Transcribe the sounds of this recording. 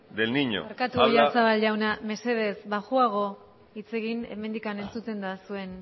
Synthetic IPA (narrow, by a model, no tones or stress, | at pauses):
d̪elniɲo̰aɾkat̪ujasaβalʝawname̞se̞ðe̞zβaʝuaɣ̞o̞ | it͡se̞ɣine̞̰me̞nd̪ikane̞nt͡sut̪e̞nd̪asue̞n